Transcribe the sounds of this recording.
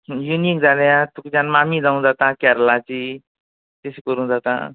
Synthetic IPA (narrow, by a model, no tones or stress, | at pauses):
junik̚d͡zaljãt̪ukit͡sanmamid͡zaũd͡zat̪ãkaɾlat͡si | t̪eskɔɾũd͡zat̪ã̰